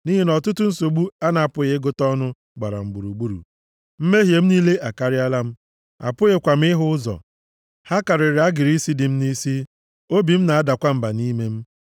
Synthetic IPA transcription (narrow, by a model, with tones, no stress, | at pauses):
ni˦ɦi˦nɔ˨tʊ˦tʊ˦n̩˦so˨ɡ͡bu˦a˦na˨a˨pʊ˨ɣɪ˨˦ɡʊ˦tɔ˦nʊ˦ | ɡ͡ba˨ɾa̰˨m̩˨ɡ͡bu˨ɾu˨ɡ͡bu˦ɾṵ˨ | m̩˦me˦ɦje˨m̩˦niː˦le˦ʔa˨ka˨ɾɪ˦a˦la˦m̩˦ | a̰˨pʊ˦ɣe˨kʷa˨m̩˦ɪ˦ɦʊ˦ʊ˦zɔ̰˨ | ha˦ka˨ɾɪ˨ɾɪ˨a˦ɡɪ˨ɾi˦si˦dɪ˨m̩˦ni˦si˦ | o˦bi˨m̩˦na˨a˦da˨kʷa˦m̩˦ba˨ni˦me˦m̩˦